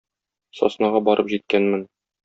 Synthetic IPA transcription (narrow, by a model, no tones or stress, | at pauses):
sɒ̰snɑʁɑbɒɾʔɤpʑit̪̚kænmɘn